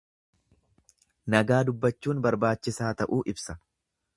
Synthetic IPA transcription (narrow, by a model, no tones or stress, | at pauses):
nɐɡaːd̪ʊbːɐt͡ʃːuːnbɐɾbaːt͡ʃːɪsaːt̪ɐʔuːʔɪbsɐ